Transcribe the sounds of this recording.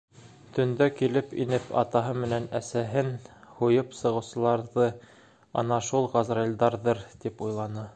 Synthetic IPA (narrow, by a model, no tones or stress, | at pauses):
t̪ʰɵ̆nd̪ækilɘpḭnɘpʰɑ̰t̪ɑɦɤmɘ̆nænæsæɦɘnhujɤpsɤ̆ʁɤ̆wsɤ̆lˠɑɾðɤ | ɑ̰nɑʃulˠʁɑzrelʲd̪ɑɾðɤɾt̪ipujlˠɑnɤ